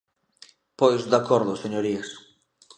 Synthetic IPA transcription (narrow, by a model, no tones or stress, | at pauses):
pojzd̪akɔɾðʊseɲoɾies